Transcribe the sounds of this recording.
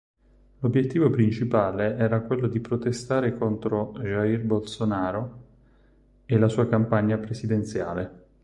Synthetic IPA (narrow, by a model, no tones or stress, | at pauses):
lobːjet̪ːiːvopɾint͡ʃipaːleɛːɾakwelːod̪ipɾot̪est̪aːɾekont̪ɾoʒairbolsonaːɾo | elasuːakampaɲːapɾesid̪ent̪sja̰ːle